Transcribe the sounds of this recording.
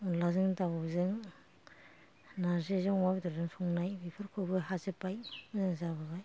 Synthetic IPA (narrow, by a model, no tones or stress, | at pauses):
lazɯŋtabɯzɯŋ | nazezɯŋwabdɯɾzɯŋsʰɔŋnajbipʰɯɾkʰɯbɯɦazɯpajzɯŋzabɯbaj